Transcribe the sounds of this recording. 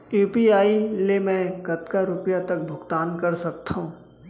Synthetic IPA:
juːpiaːilemɛ̃kɐt̪kaɾʊpjat̪ɐk̚bʱʊɡt̪aːnkɐɾsɐk̚t̪ũː

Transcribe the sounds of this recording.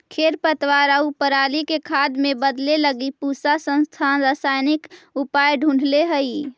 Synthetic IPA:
kʰeɾpət̪waɾəupəɾalikekʰad̪mẽbəd̪leləɡipusasə̃nst̪ʰanɾəsajnikupajɖʱũɳɖʱleɦəi

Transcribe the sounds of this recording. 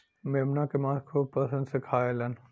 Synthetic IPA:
meːmnakemãːkʰuːb̚pɐsə̃nd̪sɪkʰaːelɐn

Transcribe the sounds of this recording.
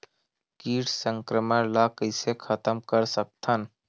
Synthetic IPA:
kiːʈsə̃ŋkɾəməɾlakəɪsekʰət̪əmkəɾsək̚t̪ʰən

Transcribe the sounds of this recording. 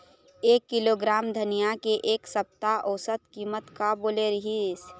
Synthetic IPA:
eːkːɪloːɡɾaːmd̪ʱənijakeʔeːksəp̚t̪aʔɔːsət̪kiːmət̪kaboːleɾɐɦis

